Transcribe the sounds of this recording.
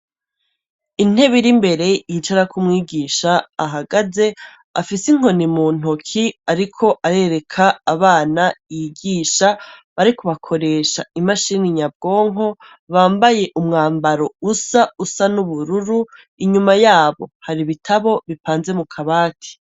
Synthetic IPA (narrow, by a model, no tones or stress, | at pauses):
in̥e̞βiɾimbe̞ɾe̞jit͡ʃaɾakʰumŋiːɡiːʃaːɦaɡaze̞ | afisiŋ̥o̞nimuːn̥okʰiaɾikʰo̞ʔaɾe̞ɾe̞kʰaːβaːnajiɡiːʃaβaɾikuβakʰo̞ɾe̞ːʃaimaʃiniɲab̚ɡo̞ːŋo̞ | βaːmbaje̞ʔumŋaːmbaɾo̞usausanuβuɾuɾu | iɲumajaːβo̞̰haɾiβitʰaβo̞βipaːnze̞mukʰaβaːtʰi̥